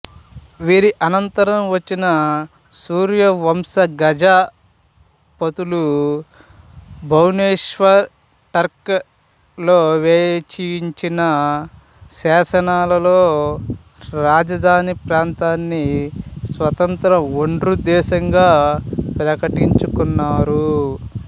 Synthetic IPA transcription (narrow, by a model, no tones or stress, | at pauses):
ʋiːɾiʔɐnɐnt̪ɐɾɐmʋɐt͡ʃːinɐ | suːɾjɐʋɐmsɐɡɐd͡ʒaː | pot̪ulu | bʱɐwneːʂʋɐɾ | ʈɐɾk | loːʋɛːjt͡ʃijiɲt͡ʃinɐ | sɛːʃɐnaːlɐlo̞ː | ɾaːd͡ʒɐd̪ʱaːnipɾaːnt̪aːnːisʋɐt̪ɐnt̪ɾɐoɳɖɾud̪ɛːʃɐŋɡaːpɾɐkɐʈiɲt͡ʃukunːaːɾu